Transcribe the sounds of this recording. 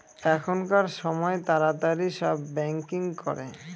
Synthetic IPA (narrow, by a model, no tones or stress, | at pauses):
ɛkʰonkaɾʃɔmɔet̪aɾat̪aɾiʃɔbːɛŋkiŋkɔ̰ɾḛ